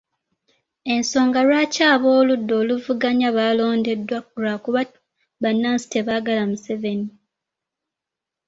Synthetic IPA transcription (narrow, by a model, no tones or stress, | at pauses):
e̞nso̞ːŋɡalwaːcaːβo̞ːludːo̞ːluvuɡaɲaβaːlo̞ːnde̞dwaɾakuβa | βanːaːnsi̥te̞βaɡalamuse̞ve̞ni